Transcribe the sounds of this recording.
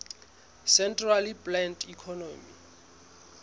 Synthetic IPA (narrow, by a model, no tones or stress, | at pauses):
sɛntraliplɛntikʰɔnomḭ